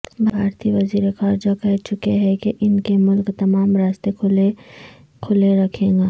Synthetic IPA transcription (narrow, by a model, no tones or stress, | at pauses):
bʱaːɾt̪iʋɐziːɾexaːɾd͡ʒakɛɦt͡ʃʊkeɦɛkeʔɪnkemʊlkt̪ɐmaːmɾaːst̪ee | kʰʊleɾɐkʰẽːŋɡaː